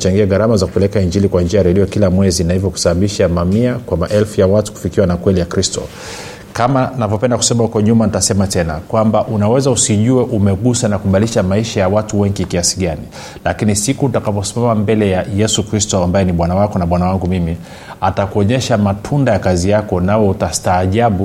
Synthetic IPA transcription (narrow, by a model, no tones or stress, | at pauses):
t͡ʃaŋɡiaɡaɾamazaku̥pɛlɛkaiɲd͡ʒilikwand͡ʒiajɾɛliakilamwɛzinahivjɔku̥saɓaɓiʃamamiakwamaʔɛlfujawatu̥ku̥fikiwanakwɛlijakɾistɔ̰ | kamanavjɔpɛndaku̥sɛmahukɔɲumanitasɛmatɛnakwambaʔunawɛzausiʄuɛʔumɛɠusanakuɓaliʃamaiʃajawatuwɛŋɡikiasi̥ɡani | lakinisikuutakapɔsi̥mamambɛlɛjajɛsukɾistɔambajɛniɓwanawakɔnaɓwanawaŋɡumimi | atakuɔɲɛʃamatʰundajakazijakɔnawɛutastaːʄaɓu